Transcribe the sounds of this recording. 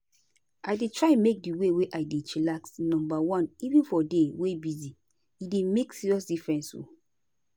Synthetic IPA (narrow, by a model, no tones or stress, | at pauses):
aɪdetʰɹaɪɛmek̚diweweʔaɪdetɹilaksnɔ̃mbawɔ̃nivĩnfɔdewebizi | idemeksiɹiɔs̬difɹɛ̃nso̰